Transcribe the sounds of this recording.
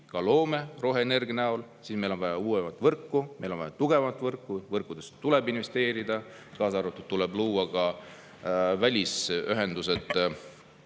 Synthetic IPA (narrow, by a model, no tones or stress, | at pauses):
kɑlo̞ːme̞ro̞ɦene̞rɡnæolsiːsme̞jlo̞nvɑjɑuːemɑt̪ːˑvɤrkːumejlo̞nvɑjɑt̪uɡ̥e̞vɑmɑt̪ːˑvɤrkːˑuvɤrkːˑud̪̥e̞st̪ulɛbinve̞st̪e̞ːɾid̪̥ɑ | kɑːsɑɾut̪ːˑut̪t̪ːulɛbluːɑkɑ | vælʲisyɦe̞nd̪use̞t̪ːˑ